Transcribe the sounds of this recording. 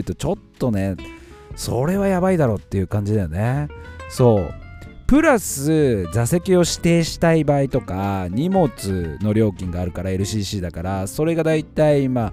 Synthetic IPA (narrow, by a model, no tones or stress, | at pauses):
ɯ̟t̪o̞t͡ɕo̞t̪ːo̞ne̞ | so̞̰ɾe̞βajabaid̪aɾo̞ːt̪ːe̞jɯ̟kãɲ̟d͡ʑid̪ajo̞ne̞so̞ːpɯ̟ɾasɨzase̞kʲio̞ɕi̥t̪e̞ːɕi̥t̪aibait̪o̞kaɲ̟imo̞t͡sɨno̞ɾʲo̞ːkʲĩŋɡaːɾɯ̟kaɾae̞ɾɯ̟ɕiːɕiːd̪akaɾaso̞ɾe̞ɡad̪ait̪aima